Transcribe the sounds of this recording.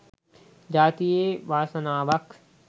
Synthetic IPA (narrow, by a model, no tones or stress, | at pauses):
d͡ʒaːt̪ijeʋaːsɐnaːʋɐk